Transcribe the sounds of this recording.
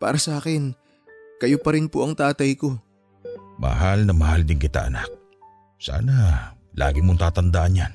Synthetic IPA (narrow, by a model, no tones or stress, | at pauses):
pa̰ːɾɐsɐʔaːkɪn | kɐjopɐɾɪnpoʔɐŋt̪aːt̪ɐjko̞ | mɐ̰ɦalnɐmɐhald̪ɪŋkɪt̪a̰ʔɐ̰nak̚ | sa̰ːna | lʔa̰ːɡɪmoŋt̪aːt̪ɐnd̪aʔɐnjan